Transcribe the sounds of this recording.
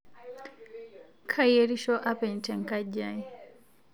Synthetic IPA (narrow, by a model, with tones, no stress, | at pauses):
kʰajɛɾi˦ʃɔ˦ʔa˦pɛ˨ɲ˨tɛ˨ŋka˦ʄai